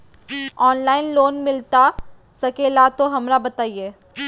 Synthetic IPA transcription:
ɔːnlaːɪnloːnmɪlt̪a | sɐkeːlat̪oɦɐmɾabɐt̪aːieː

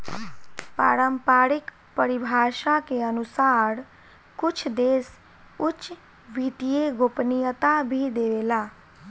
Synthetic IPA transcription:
pa̰ːɾəmpaːɾik | pəɾibʱaːʃakeənusaɾ | kʊt͡ʃʰd̪eːs | ʊt͡ʃ | ʋit̪ijeɡopnijət̪abʱid̪eʋela

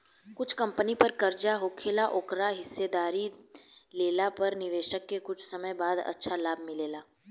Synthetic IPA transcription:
kʊt͡ʃʰkɐ̃mpənipɐɾkɐɾd͡ʒaɦoːkʰeːlaʔoːkɾaɦɪsːed̪aːɾi | leːlapɐɾnɪʋeːʃəkːekʊt͡ʃʰsɐməjbaːd̪ɐ̰tːʃʰalaːb̚ʱmɪleːlaː

